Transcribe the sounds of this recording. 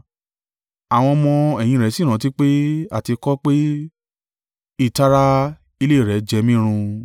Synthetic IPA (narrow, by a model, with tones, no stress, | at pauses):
a˨w̃ɔ̃˧mɔ̃˧ɛ˨j̃ĩ˧ɾɛ˨˦si˦˨ɾ̃ã˨˦ti˦k͡pe˦a̰˦˨ti˧kɔ˦k͡pe˦ | i˦˨ta˦ɾa˦ | i˧le˦˨ɾɛ˨˦d͡ʒɛ˧˦mĩ˦ɾ̃ũ˧